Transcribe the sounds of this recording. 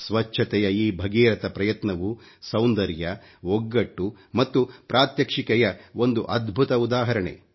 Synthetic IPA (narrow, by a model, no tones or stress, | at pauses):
sʋɐt͡ʃʰɐt̪ɛjɐiːbʱɐɡiːɾɐt̪ɐpɾɐjɐt̪nɐʋu | sɐwnd̪ɐɾjɐ | oɡːɐʈːumɐt̪ːupɾaːt̪jɐkʂikɛjɐond̪uʔɐd̪bʱut̪ɐud̪aːɦɐɾɐɳḛ